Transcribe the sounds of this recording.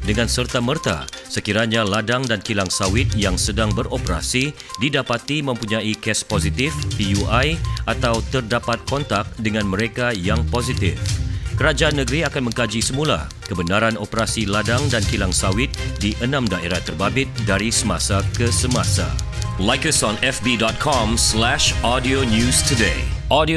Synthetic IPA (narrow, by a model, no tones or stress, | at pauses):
dəŋãnsərt̪amərt̪a̰səkiɾaɲãladaŋdankilaŋsawɪt̪̚jaŋsədaŋbəropəɾa̰si | didapat̪imə̃mpuɲãikɛspozit̪ɪfpijuʔajʔat̪awt̪ərdapat̪̚kɔnt̪ak̚dəŋãnməɾekajaŋpozit̪ɪ̰fkəɾad͡ʒaanːə̃ɡɾiakanmə̃ŋkad͡ʒisəmũla̰ | kəbənaɾanopəɾasiladaŋdankilaŋsawɪt̪̚diʔənãmdaʔeɾaht̪ərbabɪt̪̚daɾisəmasakəsəmãsa̰ | lajkəsɔ̃nɛfbidɔt̪̚kʰɔ̃mslɛʃɔdionjustʰudeʔɔdi